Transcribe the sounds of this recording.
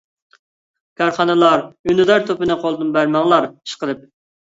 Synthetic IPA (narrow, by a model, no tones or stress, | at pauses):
kʲʰɑɾχɑnɨlˠɑɾynɨd̪ɑɾt̪ʰopɪnɨqʰolˠd̪ɨnbæɾmɑŋlˠɑɾi̥ʃqəlˠɨp̚